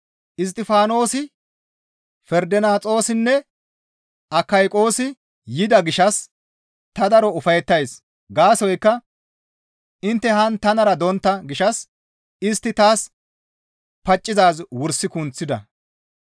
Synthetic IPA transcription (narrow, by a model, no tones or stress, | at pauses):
ʔɪs̬t̪ʼːɪfaːno̞ːsɪ | fɛɾd̪ɛnaːt͡sʼo̞ːsɪnːɛ | ɐkːɐjkʼo̞ːsɪ | jɪd̪ɐɡɪʃɐs | t̪ɐd̪ɐɾɔʊfɐjɛt̪ːɐjs | ɡaːsɔjkːɐ | ʔɪnt̪ːɛhɐnt̪ɐnɐɾɐd̪ɔnt̪ːɐɡɪʃɐs | ɪst̪ːɪt̪aːs | pɐt͡ʃʼːɪzaːzwʊɾsːɪkʊnt͡sːɪd̪ɐ̰